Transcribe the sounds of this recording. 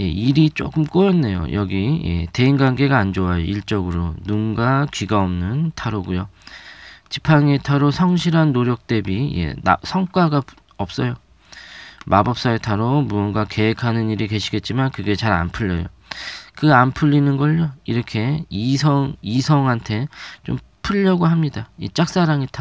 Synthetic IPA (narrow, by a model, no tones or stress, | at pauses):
je̞iɾit͡ɕ͈o̰k͈ɯmk͈ojʌnːe̞jo̰jʔʌɡije̞̰te̞inɡaŋɡe̞ɡaːnd͡ʑoajo̰iɭt͡ɕ͈ʌɡɯɾonunɡakɥiɡaʌmnɯntʰaɾoɡujo | t͡ɕipʰaŋetʰaɾosʰʌŋɕʰiɾɦanːoɾjʌk̚t͈e̞bije̞̰a̰sʰʌŋk͈waɡa | ʌp̚s͈ʌjo | mabʌp̚s͈aetʰaɾomunɡake̞ɦekʰanɯniɾike̞ɕʰiɡe̞t̚t͡ɕ͈imankɯɡe̞t͡ɕaɾa̰npʰuʎːʌ̰jo̰kɯanpʰɯʎːinɯnɡʌʎːoiɾʌkʰe̞isʰʌŋisʰʌŋɦantʰe̞t͡ɕo̰m | pʰɯʎːʌɡoɦamɲidait͡ɕ͈ak̚s͈aɾaŋetʰa